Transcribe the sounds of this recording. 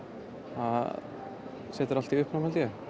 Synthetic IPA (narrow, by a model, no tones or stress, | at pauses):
ha | sɛːt̪ɪɾalt̪iʏhpnamhalt̪jɛ